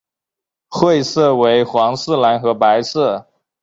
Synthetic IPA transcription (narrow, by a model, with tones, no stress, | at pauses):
xwe˥˧ɪsɤ˥˩we˧˥ɪxwɑ˧˥ŋsɹ̩˥˩la˧˥nxɤ˧˥pa˧˥ɪsɤ˥˩